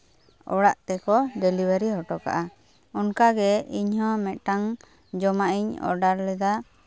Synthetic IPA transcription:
ɔ̰ɽaʔt̪ɛkɔɖɛlibəɾiɦɔʈɔka̰ʔa | ɔnkaɡɛiɲhɔ̃mɛt̪̚ʈaŋ | d͡ʒɔmaʔiɲɔ̰ɾɖaɾlɛd̪a

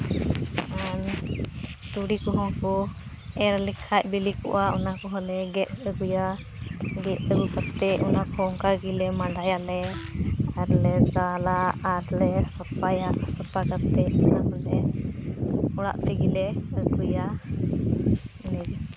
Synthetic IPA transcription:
an | t̪uɽikɔɦɔkɔ | ɛɾlikʰaʔ̚bilikɔ̰ʔaʔɔnakɔɦɔlɛɡɛʔəɡuja | ɡɛʔəɡukat̪ːɛɔnakɔɔŋkaɡilɛmaɖajalɛ | aɾlɛd̪alaaɾlɛsapajaʔsapakat̪ɛɔnakɔlɛ | ɔɽa̰ʔt̪ɛɡilɛəɡuja | nɛdi

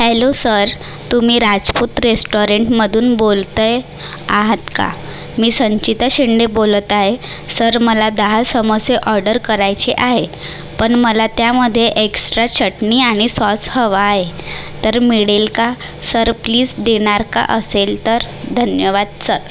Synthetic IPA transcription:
helosəɾ | t̪umiːɾad͡zput̪ɾesʈoɾeɳʈməd̪ʱuːnbolt̪əj | aɦət̪ka̰ | miːsəɲt͡ɕit̪əɕeɳɖebolət̪aɦe | səɾməlad̪əɦasəməseʔɔɾɖəɾkəɾajt͡seʔaɦe | pəɳməlat̪jaməd̪ʱːjeʔeksʈɾat͡ɕʰəʈɳiaɽ̃isɔt͡shəʋaet̪əɾmiɽelka | səɾpliːsd̪eɽ̃aɾka̰ʔəselt̪əɾd̪ʱənjəʋad̪səɾ

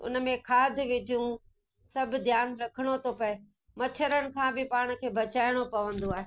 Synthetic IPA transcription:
ʊ̰nə̆mẽkʰaːd̪ʱɪʋɪd͡ʑijũ | sɐbʱd̪ʱjaːnɾɐkʰəɽ̃ot̪ʰopɐe | mɐt͡ɕʰəɾəñɪ̆kʰãːbʱɪpaːɽ̃̆kʰeːbʱɐt͡ɕaːɪɽ̃opɐʋə̃nd̪oaːɦe

